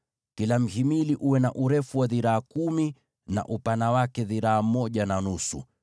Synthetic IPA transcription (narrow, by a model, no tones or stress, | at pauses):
kilam̩himiliʔuwɛnaʔuɾɛfuwaðiɾaːkumi | na̰ʔupanawakɛðiɾaːm̩mɔʄananusṵ